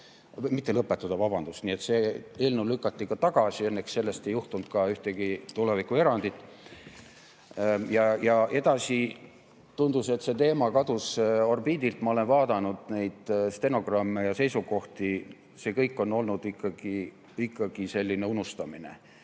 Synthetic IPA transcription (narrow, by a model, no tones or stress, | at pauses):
mit̪ːelɤpːˑet̪ːˑud̪̥ɑvɑb̥ɑnd̪̥ust̪niet̪se̞eːlneulykːˑɑt̪ːikɑt̪ɑɡ̥ɑsie̞nːeksse̞lːe̞st̪e̞juht̪unt̪kɑyht̪e̞ɡ̥it̪ule̞vikue̞ɾɑnd̪it̪ːˑ | jɑjɑe̞d̪̥ɑsi | t̪und̪̥use̞t̪se̞t̪e̞ːmɑkɑd̪uso̞rbiːd̪ilt̪mɑo̞le̞nvɑːd̪ɑnud̪̥ne̞jd̪̥st̪e̞no̞ɡrɑmːejɑse̞jsuko̞ht̪i | se̞ːkɤjkːˑo̞nːo̞lnud̪̥ikːˑɑɡ̥i | ikːˑɑɡ̥ise̞lʲːine̞unust̪ɑmine̞̰